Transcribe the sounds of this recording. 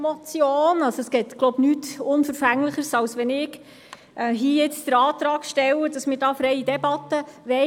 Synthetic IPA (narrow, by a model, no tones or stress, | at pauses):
mɔt͡sjoːnɑsoɛsɡ̥ɛːt̪ɡ̥loʊbnyːtʊnfəɾfæŋləχəɾsɑwsʋɛnɪɡ | ʔɦiːjɛt͡sd̪̥əɾɑːt̪ɾɑːɡʃtɛwədɑsmɪːɾdɑːfɾɛjidɛbɑt̪ːəʋɛ